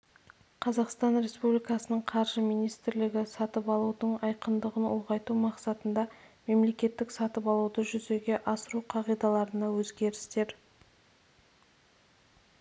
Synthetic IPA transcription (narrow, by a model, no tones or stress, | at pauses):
qʰɑzɑqst̪ɑnɾe̞spublʲijkɑsənəɴqʰɑɾʒəmijnijst̪ɾlɪɡʲɪsɑt̪əpɑlˠud̪əɴɑjqənd̪əʁənoʁɑjt̪umɑqsɑt̪ənd̪ɑme̞mle̞kʲe̞t̪ːɪksɑt̪əpɑlˠuwd̪əʒʏze̞ɡʲe̞ʔɑsəɾuqʰɑʁijd̪ɑlˠɑɾənɑwɵzɡʲe̞ɾɪst̪e̞ɾ